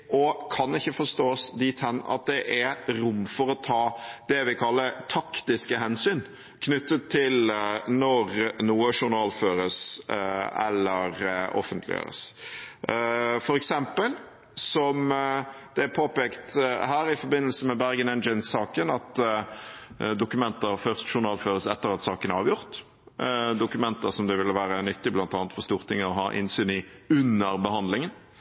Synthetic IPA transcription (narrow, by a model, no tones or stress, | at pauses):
ʔɔkʰɑnɪçːəfɔst̪oːsd̪iːt̪hɛnːɑ̰t̪̚d̪ɛʔæɛɾʊmːfɔɾɔt̪ʰɑːd̪̥ɛʋɪkʰɑlːəɾt̪ʰɑkt̪ɪskəɦɛnsyːn | kʰnʏt̪ːət̪ʰːɪlnɔɾnuːəʂʊɾnɑːlføːɾəs | ɛ̰lːəɾɔ̰fənt̪ʰlɪ̰ø̰ːɾə̰s | fɔɾɛksɛmpəl | sɔm | d̪̥ɛæpʰoːpɛːkt̪hæːɾɪfɔɾbɪnːəlsəmɛbæɾɡənɛnd͡ʒənsɑːkənɑt̪ | d̪ʊkʉmɛnt̪əɾfœʁst̪ʃʊʁnɑːlføːʁəsɛt̪ːəʁɑt̪sɑːkənæɾɑːʋjʊʁt̪ | d̪ʊkʉmɛnt̪əsɔmd̪ɛʋɪlːəʋæːɾənʏt̪ːɪblɑnt̪ɑːnət̪fɔʁst̪uːʁt̪ʰɪŋːəɔɦɑ̰ːʔɪ̰nsyːnɪʉnːəɾbəhɑnd̪lɪŋən